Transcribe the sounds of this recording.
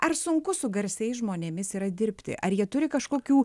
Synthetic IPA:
ɐɾsʊŋkʊsʊɡɐɾʲsʲɛɪsʒmoːnʲeːmʲɪsiːɾɐd̪ʲɪɾʲpʲt̪ʲɪ̰ʔɐɾjiɛt̪ʊɾʲɪkɐʃkoːkʲuː

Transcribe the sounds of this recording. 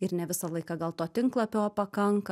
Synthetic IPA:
ɪɾnʲɛʋʲɪsɐlˠɐɪkɐɡɐlˠt̪oːt̪ʲɪŋklˠɐpʲoːpɐkɐŋkɐ

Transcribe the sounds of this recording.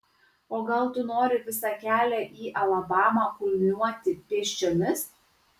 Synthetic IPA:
oːɡɐlˠt̪ʊnoːɾʲɪʋʲɪsɑkʲæːlʲæʔiːʔɐlˠɐbɑːmɑkʊlʲmʲnuɔt̪ʲɪpʲeɛʃʲt͡ʃʲomʲɪs

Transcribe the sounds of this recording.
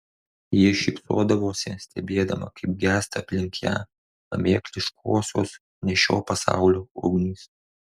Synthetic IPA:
jiɛʃʲɪpsoːd̪ɐʋoːsʲɛsʲt̪ʲɛbʲeːd̪ɐmɐ̰kʰɐɪp̚ɡʲæːst̪ɐːpʲlʲɪŋʲkʲʰæ̰ | ɐ̰mʲeːklʲɪʃkʰoːsʲo̰ːs | nʲɛʃʲo̰ːpɐsɑ̰ˑʊlʲoːʔoːɡnʲiːs

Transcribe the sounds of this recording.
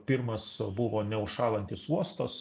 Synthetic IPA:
pʲɪɾmɐsbʊʋoːnʲɛʊʃʃɑːlˠɐnʲt̪ʲɪsuɔst̪ɐs

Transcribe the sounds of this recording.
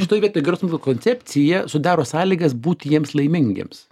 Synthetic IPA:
ʃʲɪt̪oːjʋiɛt̪oːjɡɐɾɛʊsmokkoːnʲt͡s̪ʲɛp̪ʲt͡s̪ʲɪjɛsʊd̪ɑːɾoːsɑːlʲiːɡɐsbuːt̪ʲjiɛmslˠɐɪmʲɪŋʲɡʲḛms

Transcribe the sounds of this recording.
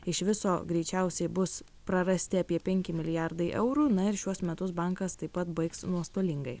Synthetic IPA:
ɪʃʋʲɪsoːɡɾʲɛɪt͡ʃʲɛˑʊsʲɛɪbʊs | pɾɐɾɐsʲt̪ʲɪɐpʲiɛpʲɛŋʲkʲɪmʲɪlʲɪjæɾd̪ɐɪʔɛʊɾuːnɐɪɾʃʲuɔsmʲɛt̪ʊsbɑŋkɐst̪ɐɪpɐt̪bɐɪksnuɔst̪oːlʲɪŋɡɐɪ

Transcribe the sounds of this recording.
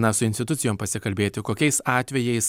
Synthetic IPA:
nɐsʊɪnst̪ʲɪt̪ʊt̪sʲɪjoːmpɐsʲɪkɐlʲbʲeːt̪ʲɪkoːkʲɛɪsɑːt̪ʲʋʲɛjɛɪs

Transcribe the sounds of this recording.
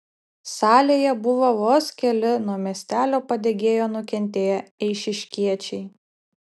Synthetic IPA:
sɑːlʲeːjɛbʊʋoʋoːskʲɛlʲɪnuɔmʲiɛsʲt̪ʲæːlʲoːpɐd̪ʲeːɡʲeːjoːnʊkʲɛnʲt̪ʲeːjɛɛɪʃʲɪʃʲkʲiɛt͡ʃʲɛɪ

